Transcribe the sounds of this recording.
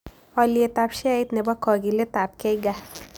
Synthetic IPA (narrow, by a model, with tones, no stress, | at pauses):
ɔ˧lie˨ta˧pʃɛ˦i˦t̪ne˨bɔ˦kɔ˨ɡi˨le˦ta˨p̚kɛ˦ɡa˦